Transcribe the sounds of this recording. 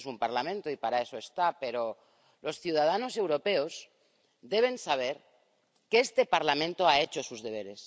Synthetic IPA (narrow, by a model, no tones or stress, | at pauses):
sumpaɾlamẽnt̪oipaɾae̞so̞est̪ape̞ɾo̞ | lo̞sθjuð̞að̞ano̞se̞wɾo̞pe̞o̞s | ðe̞β̞e̞nsaβ̞e̞ɾ | keest̪e̞paɾlamẽ̞nt̪o̞ae̞t͡ʃo̞suzðe̞β̞e̞ɾe̞s